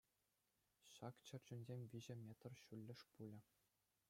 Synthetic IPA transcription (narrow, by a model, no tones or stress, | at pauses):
ɕɑkt͡ɕɘ̆rʲd͡ʑynʲzʲemʲʋʲiʑɘ̆mʲet̪rɕulʲːɘ̆ʂpulʲɘ̆